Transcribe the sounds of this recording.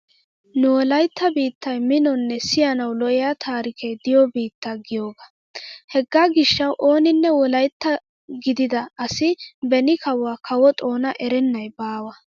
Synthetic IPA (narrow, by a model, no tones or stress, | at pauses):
nʊwɔlɐjt̪ːɐbiːt̪ːɐjmɪnɔnːɛsɪjɐnɐwlɔʔɪjat̪ʰaːɾɪkʰejd̪ɪjɔbiːt̪ːaɡɪjoːɡɐ | hɛɡːaːɡɪʃːɐwʔo̞ːnɪnːɛwɔlɐjt̪ːɐ | ɡɪd̪ɪd̪ɐɐsɪbɛnɪkɐwaːkʰɐwɔt̪ʼo̞ːnɐʔɛɾɛnːɐjbaːwɐ